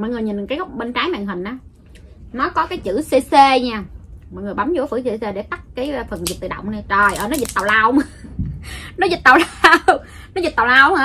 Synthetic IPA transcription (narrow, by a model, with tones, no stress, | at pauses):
mɔ̰˧˨jŋɨ˨˩əjɲi˨˩nkaː˨˦jɣɔ˦wk͡p̚ɓe˧nt͡ɕaː˨˦jma̰ː˧˨ŋɦï˨˩ŋ̟ʔaː˨˦ | nɔ˨˦kɔ˨˦kaː˨˦jt͡ɕɨ̰˧˥se˧se˧ɲaː˧mɔ̰˨˧˨jŋɨ˨˩əjɓa˨˦mzṵ˧˥˦fɨ˧˥se˧se˧ɗe˧˩t̪a˦˥k̚kaː˨˦jfə˨˩nzi˨˩t̪ɨ̰˧˨˩ɗə̰˧˨wŋ͡mna˧t͡ɕə˨˩jʔəː˧˩nɔ˨˦zi˨˩t̚t̪a˨˩wlaː˧wm˧ | nɔ˨˦zi˨˩t̚t̪aː˨˩wla˧w | nɔ˨˦zi˨˩t̪a˨˩wlaː˧whaː˧˦